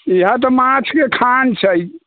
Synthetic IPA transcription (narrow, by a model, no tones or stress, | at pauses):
iɦãt̪̬ɔmãt͡ʃʰkekʰant͡ʃʰəj